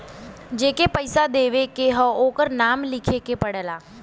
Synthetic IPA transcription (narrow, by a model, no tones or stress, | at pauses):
d͡ʒeːkepəɪsad̪eːʋekeɦəoːkəɾnaːmlɪkʰekepəɽəlaː